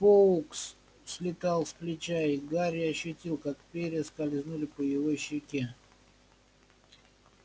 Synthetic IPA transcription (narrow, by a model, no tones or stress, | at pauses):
pouks | sʲlʲɪt̪ɑlˠsplʲɪt͡ɕaɪɡaɾʲɪɐɕːʊtʲilˠkakpʲeɾʲɪəskɐlʲɪznulʲɪpəjɪvoɕːɪkʲe